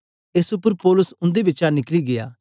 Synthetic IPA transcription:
ɪsʊpːəɾpɔːlʊsʊ̃nd̪ebɪt͡ʃanɪkliɡɪja̰ː

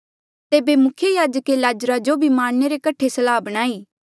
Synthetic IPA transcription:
t̪eːbemʊkʰjejaːd͡ʒəkelaːd͡ʒɾad͡ʒobʱimaːɽ̃neɾekɐʈʰːesɐlaːbɐɽ̃aːiː

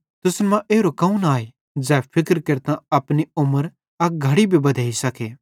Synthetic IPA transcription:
t̪ʊsnmãʔeːɾokɐũnaːe | d͡zɛːpʰɪkɾkɐɾt̪ãɐpniʊməɾ | ɐɡʱɐɽibʱibɐd̪ʱaːisɐkeː

